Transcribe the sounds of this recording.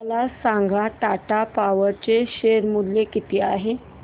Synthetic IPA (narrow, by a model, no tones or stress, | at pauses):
lasãŋɡʱaʈaʈapaʋəɾt͡ɕeɕeɾmud̪lekit̪iːaɦe